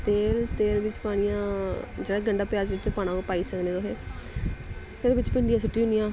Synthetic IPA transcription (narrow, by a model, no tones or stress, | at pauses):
t̪eːlt̪eːlbɪt͡ʃpaːɽ̃ɪjãːd͡ʒeːɽaːɡəɳɖaːpɪjaːzɪt̪ːeːpaːɽ̃ãːopaːiːsəkneːd̪oːɦeː | pʰɪɾbɪt͡ʃpɪɳɖijãːsʊʈːiːʊnijãː